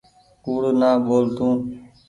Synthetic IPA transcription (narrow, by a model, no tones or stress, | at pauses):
kuːɽnaːɓoːlt̪ũː